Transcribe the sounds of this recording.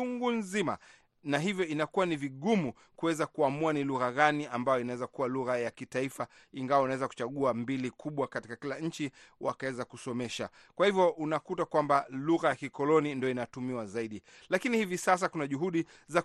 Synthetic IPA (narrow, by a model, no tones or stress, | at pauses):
uŋɡunzima̰ | naɦivjɔinakuwaniviɠumu | kuwɛzakuamuaniluɣaɣaniambajɔinawɛzakuwaluɣajakitaifa | iŋɡawaunawɛzaku̥t͡ʃaɠuambilikʰuɓwakati̥kakilaɲ̩t͡ʃi | wʔakawɛzakusɔmɛʃa̰ | kwahivjɔʔunakutakwambaluɣajakikɔlɔnindijɔinatumiwazaiɗi | lakinihivisas̬akunaʄuɦuɗi | za